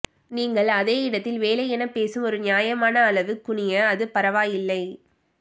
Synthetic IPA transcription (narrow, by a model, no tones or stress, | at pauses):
niːŋɡɐɭɐðeːɪɽɐt̪ːɪlʋeːlɐɛnɐpːeːsɯmɔɾɯnjaːjɐmaːnɐːlɐʋɯkːʊɳɪjɐːðɯpɐɾɐʋaːjɪlːɐɪ